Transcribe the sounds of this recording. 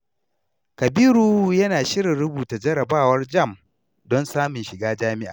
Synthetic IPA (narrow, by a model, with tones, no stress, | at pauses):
kɐ˨biː˦ɾuː˦jɐ˦naː˨ʃɪ˦ɾɪ˨nɾʊ˦buː˨ta˨d͡ʒɐ˦ɾɐ˨baː˦˨wɐ˦rd͡ʒɐ˦˨m | dɔ˦nsaː˦mʊ˨nʃɪ˨ɡaː˦d͡ʒaː˦mɪ˦ʔa̰ː˨